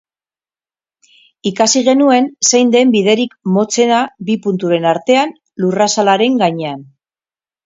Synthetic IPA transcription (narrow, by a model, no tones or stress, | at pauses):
ikasiɣe̞nue̞nse̞jnd̪e̞mbið̞e̞ɾikmo̞t͡se̞nabipunt̪uɾe̞naɾt̪e̞an | lurasalaɾe̞ŋɡaɲean